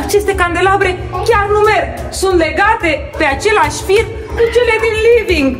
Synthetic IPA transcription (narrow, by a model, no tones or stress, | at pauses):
t͡ʃest̪ekand̪elaβɾe | keanumeɾ | sunleɣat̪e | peat͡ʃelaʃfit̪ | kut͡ʃeleninliðiŋ